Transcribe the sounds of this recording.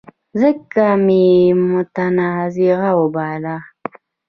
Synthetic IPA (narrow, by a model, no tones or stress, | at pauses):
zəkːamimut̪anaziɣawobala